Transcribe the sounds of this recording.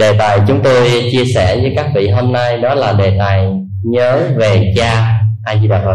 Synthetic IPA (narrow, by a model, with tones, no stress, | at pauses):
ɗe˨˩t̪aː˨˩jt͡ɕʊ˨˦ŋ͡mt̪o˧jt͡ɕi˧əsɛ˧˩zɨː˨˦jkaː˦˥k̚vḭ˧˨ɦo˧mna˧jɗɔ˨˦laː˨˩ɗe˨˩t̪aː˨˩j | ɲəː˨˦ve˨˩t͡ɕaː˧ʔaː˧zi˧ɗaː˧ɦo˧˩